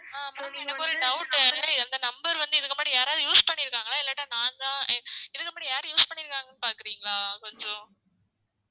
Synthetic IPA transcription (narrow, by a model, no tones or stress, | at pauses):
aːɐɛnːɐkːɔɾɯɖɐʊʈːlɐɪɐnd̪ɐnɐmbɐɾʋɐnd̪ɯɪðɯkːɐmaːʈijaːɾaːðɯjuːspɐɳːɪɾɯkːaːŋɡɐnaːɪlːɐʈːãːnãːnd̪ãːɪðɯkːɐmaːʈijaːɾɯ̃juːspɐɳːɪɾɯkːaːŋɡɐnːɯpaːɾkɪɾiːŋɡɐɭaːkɔɲd͡ʒɔ̃